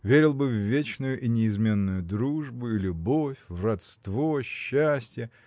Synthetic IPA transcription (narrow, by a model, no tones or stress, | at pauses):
vʲeɾʲɪlˠbɨvːʲet͡ɕnʊjʊʔinʲɪɪzmʲe̞nːʊjʊd̪ɾuʐbʊilʲʊbo̞fʲvrɐt̪st̪vo̞ɕːæsʲtʲjə